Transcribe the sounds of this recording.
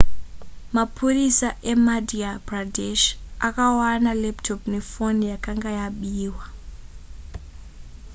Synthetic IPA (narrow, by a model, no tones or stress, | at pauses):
mapʰurisaʔemadiabradeʃakawanaleptʰopne̞fo̞nijakaŋɡajaɓiːwa